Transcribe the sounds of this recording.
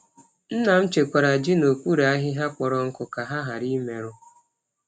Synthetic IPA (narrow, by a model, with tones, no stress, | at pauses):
n̩˦na˨m̩˦t͡ʃe˨kʷa˨ɾa˨d͡ʒɪ˦no˨kʷu˦ɾe˨˦a˦ɦɪ˦ɦa˦k͡pɔ˨ɾɔ˦ŋ̩˦kʊ˨ka˨ɦa˦ɦa˨ɾi˦me˨ɾʊ˦